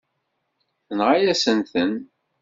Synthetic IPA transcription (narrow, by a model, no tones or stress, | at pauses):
θənʁajæsənθən